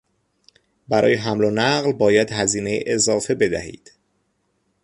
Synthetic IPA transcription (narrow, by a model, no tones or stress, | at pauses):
bæɾɒ̰ːjeɦæmlonæɣlbɒːjæd̪hæziːnejiʔezɒːfe̞be̞d̪æ̰hḭːd̪̥